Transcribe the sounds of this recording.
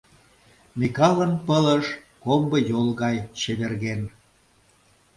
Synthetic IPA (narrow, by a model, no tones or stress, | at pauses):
mikɑlənpələʃ | kombə̆jolɣɑjt͡ɕeβerɣen